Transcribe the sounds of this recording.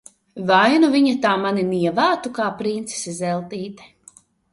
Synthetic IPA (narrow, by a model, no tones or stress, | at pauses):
vajnuviɲat̪aːmaniniɛvæːt̪ukaːpɾint̪si̥sizɛlˠt̪iːt̪ɛ̥